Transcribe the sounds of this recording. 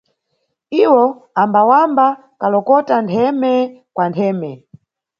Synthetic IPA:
iwɔambawamba | kalɔkɔtantʰɛmɛkwantʰɛːmɛ

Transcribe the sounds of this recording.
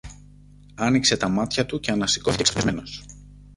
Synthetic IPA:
ɐnikse̞t̪ɐmɐt̪çɐt̪uce̞ɐnɐsi̥koθicesemeno̞s

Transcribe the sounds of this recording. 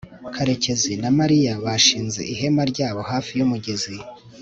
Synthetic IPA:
kʰaɾe̞ce̞zinamaɾijaβaʃiːnze̞̰ʔiɦe̞maɾɟaːβo̞haːfijumuɟezi

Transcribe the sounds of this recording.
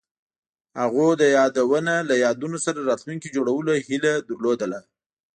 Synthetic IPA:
haɣod̪əjɑd̪awənalajɑd̪unosaɾaɾɑt̪luŋkid͡ʒoɽawəlohilad̪əɾlod̪əla

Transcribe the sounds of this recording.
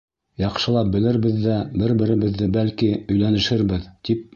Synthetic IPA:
jɑqʃɤ̆lˠɑp̚bɘ̆lɘɾbɘðːæbɘɾbɘ̆ɾɘ̆βɘ̆ðːɘbælkiɵ̆jlænɘ̆ʃɘɾbɘðt̪ip̚

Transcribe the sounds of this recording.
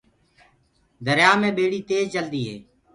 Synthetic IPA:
d̪ʱəɾjaːmẽːɓeːɽiːt̪eːzd͡ʒəld̪iːɦḛː

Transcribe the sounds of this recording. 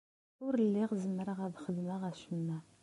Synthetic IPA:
ʊɾəlːiʁzəmːəɾaʁæðχəðmaʁæʃəmːæ

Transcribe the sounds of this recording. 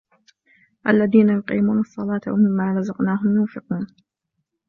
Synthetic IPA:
ʔalːaðiːnajʊqḭːmuːnɑsˤːɑlɑːt̪awa̰mɪmːaːɾˤɑzɑqnaːɦʊmjʊːfɪquːn

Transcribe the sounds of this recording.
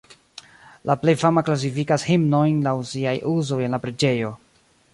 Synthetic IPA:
laple̞jfamaklas̬ifikashimno̞jnlawsiajʔuzo̞je̞nlapɾe̞d͡ʒe̞jo̞

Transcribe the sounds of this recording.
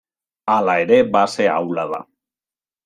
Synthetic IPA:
alaeɾe̞base̞a̰wlaða̰

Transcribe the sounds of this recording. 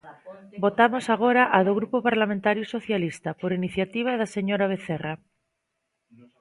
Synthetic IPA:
bo̞t̪amosaɣ̞oɾaʔaðoɣ̞ɾupopaɾlamẽnt̪aɾjusoθjalist̪apoɾiniθjat̪iβ̞aðaseɲoɾaβ̞eθera

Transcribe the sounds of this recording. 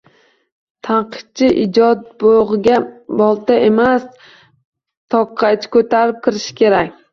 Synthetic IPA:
t̪ʰanqʰɨ̥t̪̚t͡ʃʰɪʔɪd͡ʒɒt̪̚boʁɨɡʲabɒlˠt̪aemas | t̪ʰɒqʰːɑt͡ʃʰɪ̥kʰɵt̪ʰaɾɪp̚kʲʰɪɾɪʃɪ̥kʲʰe̞ɾakʲ

